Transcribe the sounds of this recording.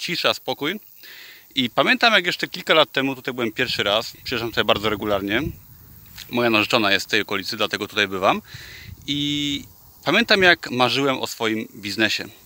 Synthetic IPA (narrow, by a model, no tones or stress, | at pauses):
t͡ɕiʂɛaspɔkuj | ipamʲjɛnt̪amjakjɛʂt͡ʂɛkʲilkalat̪ːɛmut̪ut̪ajbɘwɛmpʲjɛɾfʂɘɾaspʂʂamt̪ut̪ajbaɾd̪zɔɾɛɡulaɾɲɛ | mɔjanaʐɛt͡ʂɔnajɛst̪t̪ːɛjɔkɔlʲit̪sɘd̪lat̪ɛɡɔt̪u̥t̪ajbɘvam | i | pamʲjɛnt̪amjakmaʐɘwɛmʔɔ̰sfɔjimbʲiznɛɕɛ̰